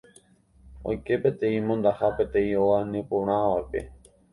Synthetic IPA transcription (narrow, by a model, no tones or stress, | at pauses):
o̰jke̞pe̞t̪ẽ̞ĩmõnd̪ahapẽ̞t̪ẽ̞ĩoanẽpõɾ̃ãʋaepe̞̰